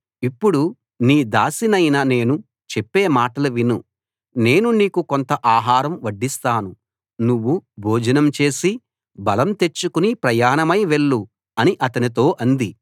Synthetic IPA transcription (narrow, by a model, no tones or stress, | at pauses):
ipːuɽu | niːd̪aːsinɐjnɐne̞ːnu | t͡ʃepːe̞ːmaːʈɐlɐʋinu | ne̞ːnuniːkuko̞nt̪ɐʔaːɦaːɾɐmʋɐɖːist̪aːnu | nuʋːubʱoːd͡ʒɐnɐmt͡ʃe̞ːsi | bɐlɐmt̪e̞t͡ʃːukunipɾɐjaːnɐmɐjʋe̞ɭːu | ɐniʔɐt̪ɐnit̪o̞ːʔɐnd̪i